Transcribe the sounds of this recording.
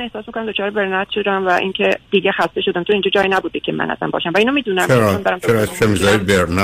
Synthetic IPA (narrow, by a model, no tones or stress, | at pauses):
ne̞hsɒːsmikonæmd̪ot͡ʃʰɒːɾebeɾnæt̪ʰʃod̪æmvæʔiŋcʰed̪̥iːɟexæst̪e̞ʃod̪æmt̪ʰoiːnd͡ʒɒːd͡ʒɒːjinæbud̪ikʰemæ̰nʔæ̰zæ̰mbɒ̰ːʃæmvæiːnomiːd̪uːnæmʰeɾɒmid̪æɾæmt͡ʃeɾɒkʰemizɒːibeɾn